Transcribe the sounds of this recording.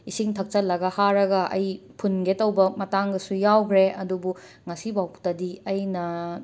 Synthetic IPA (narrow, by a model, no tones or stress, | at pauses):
isiŋtʰɐk̚t͡ʃɐlːɐɡɐhaɾɐɡɐʔɐjpʰunɡetɐwbɐmɐtaŋɡɐsujawkʰɾeɐdubu | ŋɐsibawʰtɐdiɐjnɐ